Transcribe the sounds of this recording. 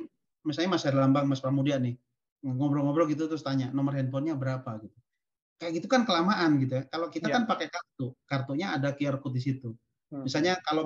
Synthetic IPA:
misalɲamasaadilambaŋmaspɾamudianɪh | ŋɔbɾɔŋɔbɾɔɡit̪̬ut̪ɾʊst̪aɲaʔnɔmərhɛnpɔnɲabəɾapaɡit̪u | kajaʔɡit̪ukankəlamaʔanɡit̪̬ujakalokit̪akanpakɛkart̪ukart̪uɲaːdakiarkut̪̚disit̪u | misalɲakalo

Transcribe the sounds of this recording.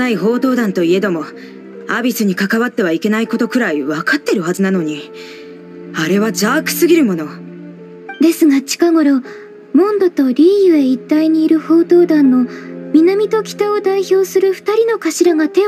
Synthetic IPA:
aiɦo̞ːt̪o̞ːd̪ãnt̪o̞ie̞d̪o̞mo̞ | abʲisɨɲ̟ikakaβat̪ːe̞β̞aike̞naiko̞t̪o̞kɯ̟ɾaiβakat̪ːe̞ɾɯ̟hazɨnano̞ɲ̟i | aɾe̞βad͡ʑaːkɯ̟̥sɨɡʲiɾɯ̟mo̞no̞ | d̪e̞sɨɡat͡ɕi̥kaɡo̞ɾo̞ | mõ̞nd̪o̞t̪o̞ɾʲiːjɯ̟e̞it̪ːaiɲ̟iːɾɯ̟ho̞ːt̪o̞ːd̪ãnːo̞mʲinamʲit̪o̞kʲi̥t̪ao̞d̪aiço̞ːsɨɾɯ̟ɸɯ̥t̪aɾʲino̞kaɕiɾaɡat̪e̞

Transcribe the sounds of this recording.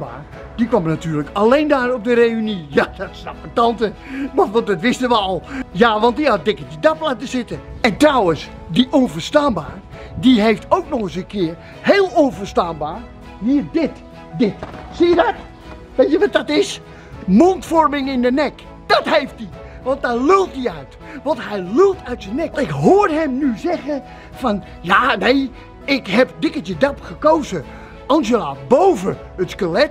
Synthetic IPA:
ba̰ːr | d̥ikʋamnatyːrləkalejndaːrɔp̚dəreynijadatsafətɑntəʋɑnʋɑndɑtʋɪstəʋəɔlˠjaʋɑntdiɑt̚dɪkədidaplaːtəzɪtəɛntrawəs | diʔɔnvərstaːnba̰ːrdiɦejftowknɔχəs̬əkɪər | heːlˠɔnvərstaːnbaːr | ʋiːrdɪt | dɪtsijədɔt | ʋetjəʋɔt̚dɔtɪs | montfɔrmɪŋɪndənɛk | d̥ɔthejft̚di | ʋɔnt̚dalølˠt̚diœɥt | ʋɔnthɛjlølˠtʰœɥtsənɛkɪkɦoːrɦɛmnyzɛɣə | fɔn | janej | ɪkhɛpdɪkətədapxəkowzə | ɔnsjəlaːtbowvə | ətskəlɛt

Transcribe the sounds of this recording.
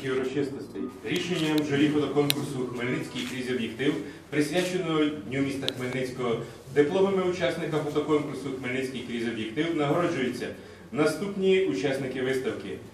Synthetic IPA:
iwɾɔt͡ʃɪst̪ɔsʲt̪ʲɛ̰jɾʲiʃenʲːɐmʒɔɾʲixɔt̪ɔkɔnkʊrsʊxmelʲnɪt͡sʲkʲɪjkɾʲizʲɔbʲjekt̪ɪwpɾɪsʲʋʲat͡ʃenɔɦɔnʲumʲist̪ɐxmelʲnɪt͡sʲkɔɦɔ | d̪ɪplˠɔmɪmɪʊt͡ʃasnɪkɐfɔt̪ɔkɔnkʊrsʊxmelʲnɪt͡sʲkɪjkɾʲizʲɔbʲjek̚t̪ɪwnɐɦɔɾɔd͡ʒʊjʊt͡sʲːɐ̰ | nɐst̪upnʲiut͡ʃasnɪkɪʋɪst̪ɐwkɪ

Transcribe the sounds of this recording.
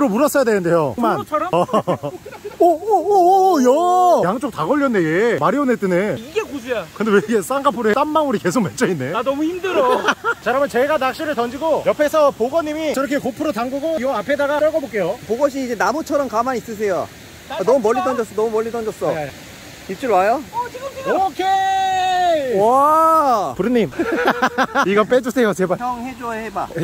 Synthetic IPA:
ɯɾomuɾʌs͈ʌjadenɯnde̞jomanʰ | jʌjaŋt͡ɕ͈ok̚taɡʌʎːʌnːeɡemaɾionet͈eneiɡekosejakɯnd̪eweɡes͈aŋɡapʰoɾes͈amːaŋuɾike̞sʰok̚ment͡ɕ͈ʰʌinːe̞anʌmuimdɯɾot͡ɕaɾamjʌnt͡ɕeɡanak̚ɕ͈iɾɯɭtʌnd͡ʑiɡojʌpʰesʰʌpoɡʌɲimiiɾʌkʰekopʰɯɾotaŋɡuɡoiɡʌapʰedaɡaʌɡʌbok͈ejopoɡʌɕ̬ʰiːd͡ʑe̞namut͡ɕʰʌɾʌmkamanis͈ɯs̬ʰe̞jo | anʌmumʌʎːit̪ʌnd͡ʑʌs͈ʌnʌmumʌʎːit̪ʌnd͡ʑʌs͈ʌ | it͡ɕ͈uɭwajo | okʰe | wwa | puɾɯnːim | iɡʌnp͈ed͡ʑusʰe̞jos̬ʰebat͡ɕʌŋɦed͡ʑoseba̰

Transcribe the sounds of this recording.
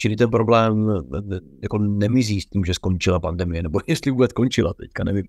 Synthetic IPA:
t͡ʃɪlɪt̪ɛnpɾo̞blɛːm | jako̞nɛmɪziːst̪iːmʒɛsko̞nt͡ʃɪlapandɛmɪjɛnɛbojɛst̪lɪvuːbɛt͡sko̞nt͡ʃɪla̰t̪ɛckanɛvim

